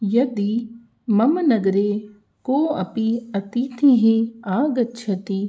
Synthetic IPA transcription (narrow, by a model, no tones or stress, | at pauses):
jɐd̪i | mɐmnɐɡɾe | koːɐ̰piɐt̪iːt̪ʰiɦeaːɡɐtːʃʰɐt̪i